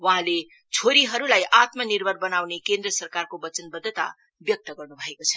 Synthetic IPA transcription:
wʌɦãle | t͡sʰoɾiɦʌɾulajʔat̪mʌnirbʱʌrbʌnawnekend̪rʌsʌrkarkobʌt͡sʌnbʌd̪ʱːət̪a̰ | bjʌk̚t̪ʌɡʌrnubʱʌekot͡sʰʌ

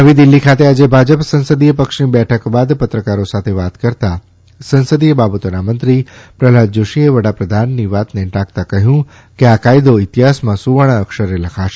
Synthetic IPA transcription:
ɦəʋid̪ilːikʰat̪ead͡ʒebʱad͡ʒəpsə̃nsəd̪ijəpəkʃnibɛʈʰəkbad̪pət̪ɾəkaɾosat̪ʰeʋat̪kəɾt̪a | sə̃nsəd̪ijəbabət̪onamənt̪ɾipɾəlad̪̚d͡ʒoʃieʋəɽ̤apɾəd̪ʱanːiʋat̪neʈãkt̪akəɦjũ | keakajd̪oit̪iɦasmãsuʋaɽ̃ãəkʃəɾeləkʰaʃe

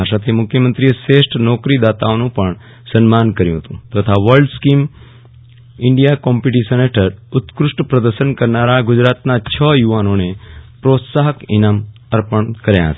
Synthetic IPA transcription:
aʃat̪ʰimʊkʰjəmənt̪ɾijeʃeʃʈʰnɔkɾid̪at̪aonũpəɳ | sənmankəɾjũɦət̪ũt̪ət̪ʰaʋəɾɭɖskim | ɪɳɖijakɔmpiʈisəneʈʰəɾʊt̪kɾʊʂʈəpɾəd̪əɾʃənkəɾnaɾaɡʊd͡ʒɾat̪nat͡ʃʰəjuʋanonepɾot̪saɦəkinam | əɾpəɳkəɾjã̰ɦə̰t̪a

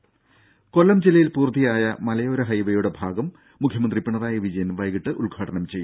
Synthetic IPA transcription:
ko̞lːɐmd͡ʑilɐjilpuːrt̪ːijaːjɐmɐlɐjo̞ɾɐɦɐjʋɐjuɽe̞bʱaːɡɐmː | ukʰjɐmɐnd̪ripːiɳɐðaːjɐʋid͡ʑɐjɐnʋɐjɣiʈːɨʔulɡʱaːʈɐnɐmt͡ɕe̞jːu

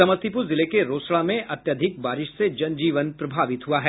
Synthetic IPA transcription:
ɐməst̪ɪpuzɪlekeɾoːsɭamẽʔɐt̪jəd̪ʱɪk̚baːɾɪʃsed͡ʒɐnd͡ʒiːʋənpɾɐbʱaːʋɪt̪ɦuaɦɛː

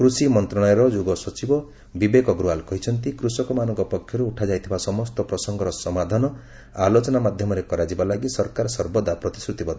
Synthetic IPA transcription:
kɾusimɔnt̪ɾɔɽ̃ɔjɔɾɔd͡ʒuɡɔsɔt͡ʃibɔ | bibekɔɡɾualkɔɦit͡ʃʰɔnt̪̬ikɾusɔkɔmanɔŋkɔpɔkʰːjɔɾuuʈʰad͡ʒajt̪ʰibasɔmɔst̪ɔpɾɔsɔŋɡɔɾɔsɔmad̪ʱanɔ | alot͡ʃɔnamad̪ʱjɔmɔɾekɔɾad͡ʒibalaɡisɔɾkaɾɔsɔɾbɔd̪apɾɔt̪isɾut̪ibɔd̪

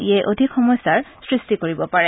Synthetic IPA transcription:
iajʔodʱikxɔmɔjsaɹsɹistikoɹibɔpaɹɛ

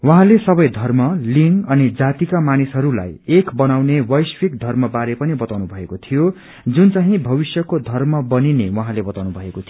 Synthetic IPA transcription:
wʌɦãlesʌbʌjd̪ʱʌrmʌliŋɡʌnid͡zat̪ikamanisɦʌɾula̰jekbʌnawnewʌjswikd̪ʱʌrmʌbaɾepʌnibʌt̪awnubʱʌekot̪ʰijo | d͡zunt͡saɦĩbʱʌβisjʌkod̪ʱʌrmʌbʌninewʌɦãlebʌt̪awnubʱʌekot̪ʰi

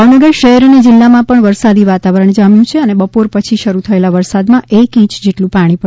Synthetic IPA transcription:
aʋnəɡəɾʃəɦɛɾəned͡ʒɪlːamãpəɳʋəɾsad̪iʋat̪aʋəɾəɳd͡ʒamjũt͡ʃʰeənebəpoɾpət͡ʃʰiʃəɾut̪ʰəelaʋəɾsad̪mãʔekĩt͡ʃd͡ʒeʈlũpaɽ̃ipə

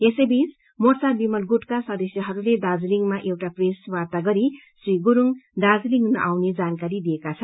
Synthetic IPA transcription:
esebis | mort͡sabimʌlɡuʈkasʌd̪ʌsjʌɦʌɾuled̪ad͡zliŋmaʔewʈapreswart̪aɡʌɾi | sɾiɡuɾuŋd̪ad͡zliŋnʌʔawned͡zankaɾid̪ijekat͡sʰʌnn

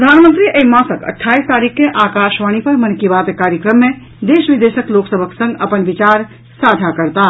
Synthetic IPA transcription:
ɾəd̪ʱanmənt̪ɾiʔeimãsəkə̰ʈʰːaist̪aɾikʰːeʔakaʃʋaɽ̃ipəɾmənkibat̪ekaɾjəkɾəmːe | d̪esʋid̪esəkloksəbʱəksə̃ŋɡəpənbit͡ʃaɾ | sad͡ʒ̪ʱakəɾt̪a

